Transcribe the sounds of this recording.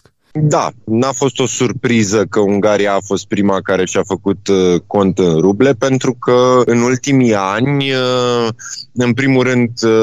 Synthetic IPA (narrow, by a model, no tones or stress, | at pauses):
d̪a̰nafo̞st̪o̞surpɾizəkəuŋɡaɾijaːfo̞st̪̚pɾimakaɾe̞ʃafəkut̪ko̞nt̪ɨnɾuble̞pe̞nt̪ɾukəɨnult̪imianʲə | ɨnpɾimuɾɨnd̪